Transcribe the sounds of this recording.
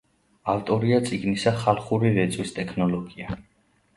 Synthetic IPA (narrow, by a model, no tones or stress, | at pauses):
aft̪ʼɔɾiat̪sʼiɡnisaχalˠχuɾiɾɛt̪sʼwist̪ʼɛkʰnɔlˠɔɡia